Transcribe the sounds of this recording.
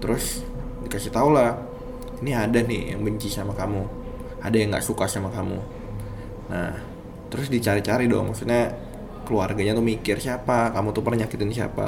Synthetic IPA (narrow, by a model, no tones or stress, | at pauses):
t̪əɾʊs | dikasɪt̪aulah | iniadanɪja̰ŋbəɲt͡ʃisamakamu | adajaŋɡa̰ʔsukasamakamṵ | na̰h | t̪əɾʊsdit͡ʃaɾit͡ʃaɾidɔ̰ŋmaksut̪̚ɲa | kəluarɡaɲat̪umikɪrsiapakamut̪upərnaŋɲakɪt̪ɪnsia̰pa̰